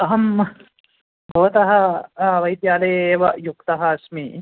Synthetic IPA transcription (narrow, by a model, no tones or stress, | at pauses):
ɐɦɐm | bʱɐʋɐt̪ɐɦɐ̆ʋɐjt̪jaːlɐjeːʋɐjukt̪ɐɦɐːsmi